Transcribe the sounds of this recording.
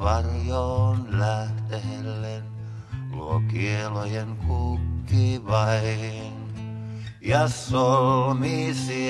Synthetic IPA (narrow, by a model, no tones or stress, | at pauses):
ʋɑrjonlæht̪ehelːen | lṵokielojeŋkʰukːiʋɑihhin | jɑsolmisi